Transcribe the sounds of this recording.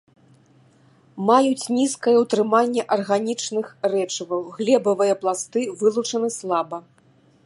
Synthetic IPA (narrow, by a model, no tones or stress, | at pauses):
majut͡sʲnʲiskɐjɐwt̪ɾɨmanʲːɛʔɐrɣanʲit͡ʂnɨxrɛt͡ʂɐvɐwɣlʲɛbɐvɨjɐplˠast̪ɨvɨlˠut͡ʂɐnɨslˠabɐ